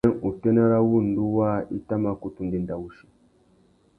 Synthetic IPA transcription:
ɛ˦ŋu˨tɛ˦na˦ɾa˦wu˦n̩˨du˦wa˦i˦ta˦ma˦ku˦tu˦n˦di˦n˨da˨wu˦ʃi˨

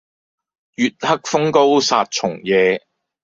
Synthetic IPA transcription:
jyː˨t̚hɐ˥k̚fʊ˥ŋko˥wsaː˧t̚t͡ʃʰʊ˨˩ŋjɛː˨˧

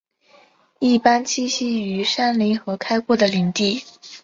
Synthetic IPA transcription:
i˥˩pa˥nt͡ɕʰi˥˧ɕi˥y˧˥ʂa˥nli˧˥ŋxɤ˧˥kʰa˥ɪkwɔ˥˩d̪ə˩li˧˥ŋt̪i˥˩

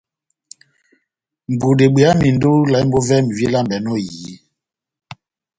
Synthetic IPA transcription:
m̩˨bu˨de˨ɓe˨a˦mi˨ndo˦la˨˦i˦m˦bo˦vɛ˦mi˨vi˦la˦˨mbɛ˨˦nɔ˦jiː˨˦

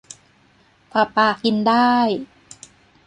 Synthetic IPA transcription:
pʰɾa˨˩paː˧˩kːi˧ndaː˥˩j

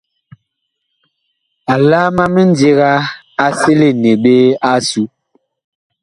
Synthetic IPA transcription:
a˨laː˦ma˦mi˦n̩˦de˦ɣa˦ | a˨se˦le˦˨ne˨ɓe˦a˦su˨˦

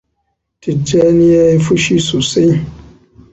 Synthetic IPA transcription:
ti˨d͡ʒɛ˦ni˦jɛ˦i˦fu˦ʃi˦su˨se˦

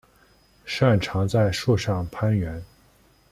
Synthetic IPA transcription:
ʂa˥˩nʈ͡ʂʰɑ˧˥ŋt͡sa˥˧ɪʂu˥˧ʂɑ˥˩ŋpʰa˥nɥɛ˧˥n

